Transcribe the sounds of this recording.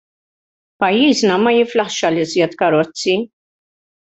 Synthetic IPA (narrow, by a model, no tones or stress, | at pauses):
pɐjːiːznɐmɐjɪflɐħʃɐlɪzjɛt̪kɐɾɔt͡sːi